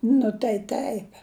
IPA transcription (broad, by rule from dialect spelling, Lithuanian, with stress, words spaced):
nʊ tɐɪ ˈtʲɛɪp